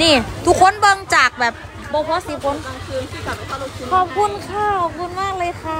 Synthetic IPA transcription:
niː˧˩t̪ʰu˨˧˩kʰːo˧˥˨nbɤ˧ŋt͡ɕaː˨˩k̚bɛː˨˩p̚ | bɔː˧pʰɔː˧˥si˨˧˦pʰo˧˦n˧ | kʰɔː˨˩p̚kʰu˧˥nkʰa˧˩kʰɔː˨˩p̚kʰu˧˥nmaː˥˩k̚lɤː˧jkʰa˧˩

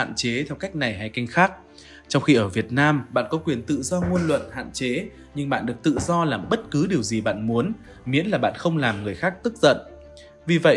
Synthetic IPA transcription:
a̰ː˧˨nt͡ɕe˨˦t̪ʰɛ˧wka˦˥jk̟̚na˨˩jɦaː˧jka˧jŋ̟xaː˦˥k̚ | t͡ɕɔ˧wŋ͡mxi˧ʔəː˧˩vi˨˩ət̚naː˧mɓa̰ː˧˨nkɔ˨˦kwi˨˩ənt̪ɨ̰˧˨zɔ˧ŋu˧ənlwə̰˧˨nha̰ː˧˨nt͡ɕe˨˦ | ɲɨ˧ŋɓa̰ː˧˨nɗɨ˨˩ək̚t̪ɨ̰˧˨zɔ˧laː˨˩mɓə˦˥t̚kɨ˨˦ɗi˨˩əwzi˨˩ɓa̰ː˧˨nmu˨˦ən | mḭ˨˧˦ənlaː˨˩ɓa̰ː˧˨nxə˧wŋ͡mlaː˨˩mŋɨ˨˩əjxaː˦˥k̚t̪ɨ˦˥k̚z̥ə̰˧˨n | vi˨˩və̰˧˨

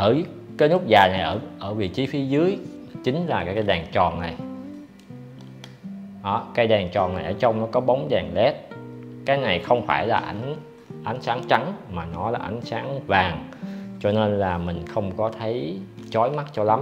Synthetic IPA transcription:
ʔəː˧˩kaː˨˦jnu˦˥t̚zaː˨˩na˨˩jʔəː˧˩ʔəː˧˩vḭ˨˩t͡ɕi˨˦fi˨˦zɨ˨˦əjt͡ɕï˨˦ŋ̟laː˨˩kaː˨˦kaː˨˦jɗaː˨˩ŋt͡ɕɔ˨˩nna˨˩j | ɗɔ˨˦kaː˨˦jɗaː˨˩ŋt͡ɕɔ˨˩na˨˩jʔəː˧˩t͡ɕə˧wŋ͡mnɔ˨˦kɔ˨˦ɓə˨˦wŋ͡mzaː˨˩ŋlɛ˦˥t̚kaː˨˦jna˨˩jxə˧wŋ͡mfaː˧˩jlaː˨˩ʔa̰˨˦jŋ̟ | ʔa˨˦jŋ̟saː˨˦ŋt͡ɕa˨˦ŋmaː˨˩nɔ˨˦laː˨˩˦ʔa̰˨˦jŋ̟saː˨˦ŋvaː˨˩ŋt͡ɕɔ˧ne˧nlaː˨˩mï˨˩ŋ̟xə˧wŋ͡mkɔ˨˦t̪ʰə˨˦jt͡ɕɔ˨˦jma˦˥t̚t͡ɕɔ˧la˨˦m

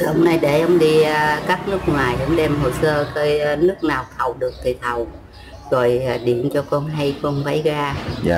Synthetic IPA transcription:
hə˧wŋ͡mna˧jɗe˧˩ʔə˧˦wŋ͡mɗi˧kaː˦˥k̚nɨ˦˥ək̚ŋwaː˨˩jʔə˨˧˦wŋ͡mɗɛ˧mɦo˨˩səː˧kə˧˦˧nɨ˦˥ək̚naː˨˩wt̪ʰə˨˩wɗɨ˨˩ək̚t̪ʰi˧˨˩t̪ʰə˨˩w | zo˨˩jɗi˧˩˨ənt͡ɕɔ˧kɔ˧nɦa˧jkɔ˧nva̰˧˦jɣaː˧

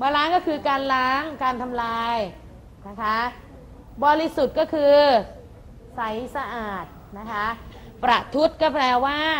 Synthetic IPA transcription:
maː˧laː˦˥ŋkɔ˥˩kʰɯː˧kaː˧nlaː˦˥ŋkaː˧nt̪ʰa˧mlaː˧j | na˦˥kʰa˦˥ | bɔː˧ɾi˦˥su˨˩t̪̚kɔː˥˩kʰɯː˧ | sa˩˦jsa˧ʔaː˨˩t̪̚ | na˦˥kʰa˦˥ʔ | pɾa˨˩t̪ʰu˦˥t̪̚kɔː˥˩plɛː˧waː˥˩

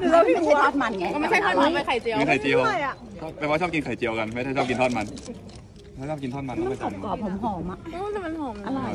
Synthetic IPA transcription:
a˥˧˥t̪ʰːt̪̚ma˧na˧˩kɔ˧ma˥˩jʰa˥˩j̪ɔ˧˥˩a˧˩ma˥˩jkʰa˨˩jt͡ɕi˧wa˥˩˨kʰjt͡ɕi˧əwja˨˩˥ | bɛ˨˩waː˥t͡ɕʰɔː˥˩p̚ki˧nkʰa˨˩jt͡ɕi˧əwka˧nma˥˩jʰa˥˩jt͡ɕʰɔ˥˩ki˧nt̪ɔː˥˩t̪̚ma˧n | lɛ˦˥˦t͡ɕʰɔː˥˩ki˧nt̪ʰɔː˥˩m˧nlɔ˥˩ka˥˩t͡ɕao˩˧m˦˧kɔː˨˩p̚ʰːo˩˦mɦɔː˩˦ma˨˩˧ma˧nhɔː˨˦ma˧˩la˧˩

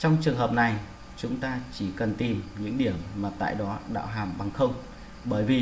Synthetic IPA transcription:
t͡ɕɔ˧wŋ͡mt͡ɕɨ˨˩əŋhɦəː˨˩p̚na˨˩j | t͡ɕʊ˨˦ŋ͡mt̪aː˧t͡ɕi˧˩kə˨˩nt̪i˨˩mɲɨ̰˧˥ŋɗi˧˩əmːaː˨˩t̪a̰ː˧˨jɗɔ˨˦ɗa̰ː˧˥ɦaː˨˩mɓa˨˩ŋxə˧wŋ͡m | ɓəː˧˩jvi˨˩

